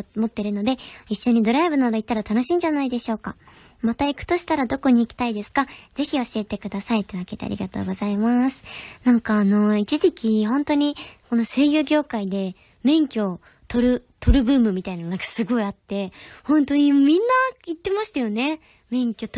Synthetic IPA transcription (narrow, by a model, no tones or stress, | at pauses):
mo̞t̪ːeɾɯ̟no̞d̪e̞iɕːo̞ɲ̟id̪o̞ɾaibɯ̟nad̪ait̪ːaɾat̪ano̞ɕĩːɲ̟d͡ʑanaid̪e̞ɕo̞ːka̰ | mat̪aikɯ̟̥t̪o̞ɕi̥t̪aɾad̪o̞ko̞ɲ̟iːkʲi̥t̪aid̪e̞sɨ̥kaz̥e̞çʲioɕie̞t̪e̞kɯ̟d̪asait̪ːeβake̞t̪ḛa̰ɾʲḭɡat̪o̞̰ːɡo̞zaimasɨ̥nãŋkaːno̞it͡ɕiʑikʲiɦõ̞nt̪o̞ɲ̟iko̞no̞se̞ːjɯɡʲo̞ːkaid̪e̞ | mẽ̞ŋkʲo̞ | t̪o̞ɾɯ̟t̪ʰo̞ɾɯ̟bɯ̟ːmɯ̟mʲit̪ainanakḁsɨɡo̞iat̪ːe̞hõ̞nt̪o̞ɲ̟imʲĩnːait̪ːe̞maɕi̥t̪ajo̞ne̞ | mẽ̞ŋkʲo̞